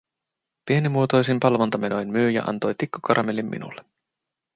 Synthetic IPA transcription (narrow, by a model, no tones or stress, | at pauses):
pie̞nimuot̪o̞jsimpɑlʋo̞nt̪ɑme̞no̞jnmyːjɑ̰ʔɑ̰nt̪ojt̪ikːukɑɾʔɑmelimːḭnṵlːe